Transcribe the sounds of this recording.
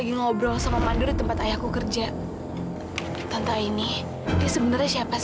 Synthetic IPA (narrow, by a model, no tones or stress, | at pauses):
aɡiŋobɾɔsamamandʊrdit̪əmpat̪ajahkːukərd͡ʒa | t̪ant̪aini | diasəbənərɲasiapa